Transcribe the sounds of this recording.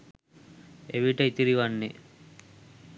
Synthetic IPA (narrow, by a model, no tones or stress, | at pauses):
eʋiʈɐit̪iɾiʋanːi